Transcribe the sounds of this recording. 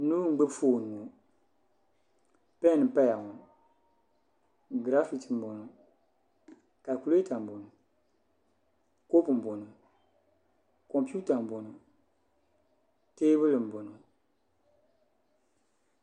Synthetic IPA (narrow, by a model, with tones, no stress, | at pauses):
nu˦ŋ͡m̩˦ɡ͡be˦bfoː˦˨nː˨u˨ | pɛ˦˨nɨ˨m̩˨pa˦ja˨ŋu˨ | ɡɾa˦fi˨ti˨m̩˨bo˨no˨ | ka˨ku˨le˦ta˨m̩˨bo˨nu˨ | ko˦pm̩˨bo˨nu˨ | kɔ˨mpu˦ta˨m̩˨bo˨no˨ | teː˦bɨ˦lɨ˨m̩˨bo˨no˨